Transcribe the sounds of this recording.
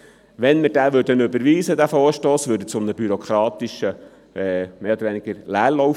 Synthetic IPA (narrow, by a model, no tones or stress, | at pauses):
ʋɛnməɾd̥æːʋøːɾd̥ənøbəɾʋiːsədæfoːɾʃtoːsʋøːɾdət͡sʊmnəbyɾɔkʰɾɑːt̪iʃə | ɛmeːod̪əɾʋɛnɪɡ̥əɾlæːrlɔw